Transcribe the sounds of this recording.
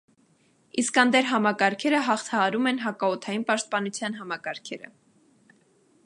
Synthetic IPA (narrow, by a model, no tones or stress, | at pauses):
iskɑnd̪ɛɾɦɑmɑkɑɾkʰɛɾəɦɑχt̪ʰɑɦɑɾumɛnɦɑkɑɔt̪ʰɑjinpɑʃt̪̚pɑnut͡sʰjɑnɦɑmɑkɑɾkʰɛɾə̰